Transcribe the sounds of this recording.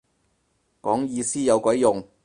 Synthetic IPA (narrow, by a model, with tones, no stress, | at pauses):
kɔː˨˥ŋjiː˧siː˥jɐ˨˧wkʷɔ˨˥jjʊ˨ŋ